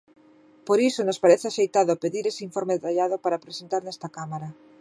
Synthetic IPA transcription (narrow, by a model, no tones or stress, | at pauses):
poɾisonospaɾeθɪaʃejt̪aðoapeðiɾeseiɱfoɾmeðet̪aʎaðopaɾapɾesent̪aɾnɛst̪akamaɾa